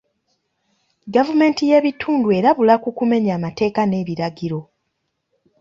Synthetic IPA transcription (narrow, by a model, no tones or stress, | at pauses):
ɡavume̞ːntije̞ːβitʰuːndue̞ːɾaβulakukume̞ɲaːmate̞ːkane̞ːβiɾaɡiɾo̞